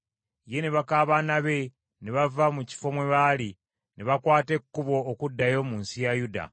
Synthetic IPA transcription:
je̞neβakaːβaːnaβe̞ | neβavamuci̥fo̞mwe̞βaːli | neβakwaːte̞kːuβo̞ːkudːajo̞muːnsijajuda̰

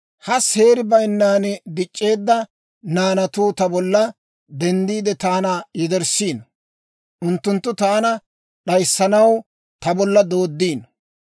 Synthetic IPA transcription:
hɐshe̞ːɾɪbɐjnːaːnd̪ɪt͡ʃʼːe̞ːd̪ːɐ | naːnɐt̪uːt̪ɐbɔlːɐ | d̪ɛnd̪iːd̪ɛt̪aːnɐjɛd̪ɛɾsiːn | ʔʊnt̪ːʊnt̪ːʊt̪aːnɐ | ɗɐjsːɐnɐw | t̪ɐbɔlːɐd̪o̞ːd̪ːiːn

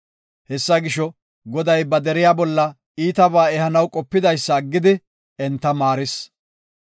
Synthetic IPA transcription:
hɛsːɐɡɪʃɔ | ɡɔd̪ɐjbɐd̪ɛɾɪjaːbɔlːɐ | iːt̪ɐβaːɛhɐnɐwkʼɔpːɪd̪ɐjsːɐːɡːɪd̪ɪ | ɛnt̪ːɐmaːɾɪs

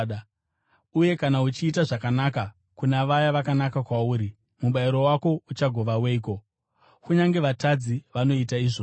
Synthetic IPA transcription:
uje̞kanaut͡ʃiːtaʐakanaka | kunaʋajaʋakanakakwauːɾi | muɓaiɾo̞wako̞ut͡ʃaɡʱo̞ʋaweiko̞ | kuɲaŋɡe̞ʋatad͡ziʋano̞itaiːʐo

